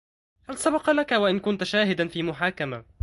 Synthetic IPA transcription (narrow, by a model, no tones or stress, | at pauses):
halsabɑqlakawaʔɪnkʊnt̪ʃaːɦɪd̪anfiːmʊħaːkama